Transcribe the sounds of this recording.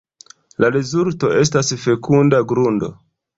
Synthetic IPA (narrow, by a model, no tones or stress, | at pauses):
laɾezulto̞ʔe̞stasfe̞kundaɡɾundo̞̰